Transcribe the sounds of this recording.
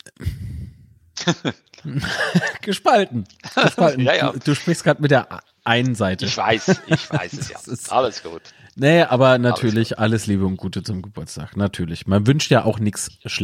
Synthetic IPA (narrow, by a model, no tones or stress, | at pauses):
ɡ̥əʃpaltn̩əʃpaltn̩ːd̥uːʃpʁ̥ɪçst̚ɡ̥ʁaːtmɪt̚d̥eːɐʔ | ʔaɪnənzaɪtʰəv̥aɪsçv̥ɪssja̰ssa̰ləsɡ̥ṵːt | nəʔaːbɐnatʰyːɐlɪçʔaləsliːbəʊnt̚ɡ̥uːtʰət͡sʊmɡəbʊɐt͡stʰa̰ːknatʰyːɐlɪçmanvʏnʃtjaːʔaʊxnɪksʃlɛ